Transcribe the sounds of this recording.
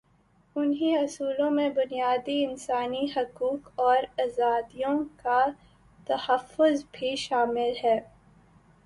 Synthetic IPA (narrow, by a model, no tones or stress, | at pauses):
ʊnɦiɐsuːlõmẽbʊnijaːd̪iɪnsaːniɦɐkuːkɔːɾɐzaːd̪ijõka | t̪ɐhəfːʊzbʱiʃaːmɪlɦɛː